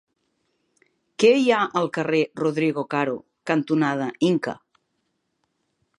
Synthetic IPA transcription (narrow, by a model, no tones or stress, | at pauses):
kejaʔəlˠkəreroðɾiɣokaɾo | kant̪unað̞əiŋkə̰